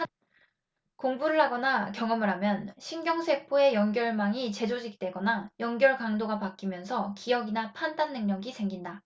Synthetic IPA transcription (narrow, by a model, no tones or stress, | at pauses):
koŋbuɾɯɭɦaɡʌnakjʌŋʌmɯɾɦamjʌnɕʰinɡjʌŋsʰe̞pʰoe̞jʌŋɡjʌɭmaŋit͡ɕe̞d͡ʑod͡ʑik̚t͈we̞ɡʌnajʌŋɡjʌɭkaŋdoɡapak͈imjʌnsʰʌkijʌɡinapʰandanːɯŋɲʌɡisʰe̞ŋɡinda